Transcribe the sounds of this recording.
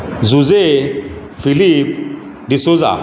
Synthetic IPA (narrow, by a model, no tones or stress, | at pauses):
zuze | filip̚ | disoza̰